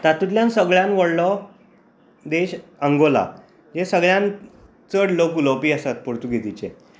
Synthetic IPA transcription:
t̪at̪ut̪ljãnsəɡɭjãnʋəɽlɔ | d̪eɕəŋɡola̰ | d͡ʑesəɡɭjãn | t͡səɽlokulopiːəsat̪̚pɔɾt̪uɡʱet̪it͡ɕḛ̃

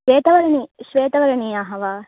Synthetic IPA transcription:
ʋeːt̪ɐʋɐɾɐniʃʋeːt̪ɐʋɐɾɐniaɦɐʋa

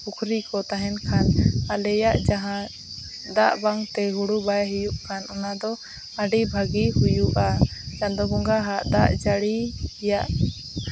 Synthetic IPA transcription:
pukʰɾikɔt̪aɦɛnkʰanalɛjaʔd͡ʒaɦã | d̪aʔbaŋt̪ɛɦuɽubajɦijuʔkʰanunad̪ɔ | aɖibʱaɡihujuʔad͡ʒand̪ɔɡuŋɡaɦaʔd̪aʔd͡ʒaɽijaʔ

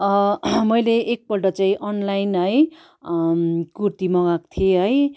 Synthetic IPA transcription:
ʌmʌjleʔːk̚bʌʈʌt͡saĩʔʌnlajnɦʌj | kurt̪imʌɡak̚t̪ʰieɦʌj

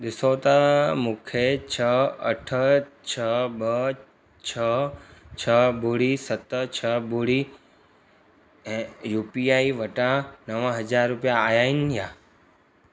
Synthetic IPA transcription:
d̪ɪsoːt̪amʊkʰet͡ʃʰəə̰ʈʰət͡ʃʰəbə | t͡ʃʰət͡ʃʰəbuɽisət̪ːət͡ʃʰəbʱuɽi | juːpiaːiʋəʈãnəʋəɦəd͡ʒaːɾːupijaːjainja

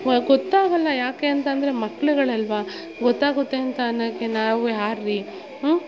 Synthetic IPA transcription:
ɡɔt̪ːaːɡɐlːɐjaːkeːɐnt̪ɐnd̪ɐɾe̞mɐkːɐɭuɡɐɭɐlʋa | ɡɔt̪ːaːɡut̪ːeːɐnt̪aːnːɐkːenaːʋujaːɾːi

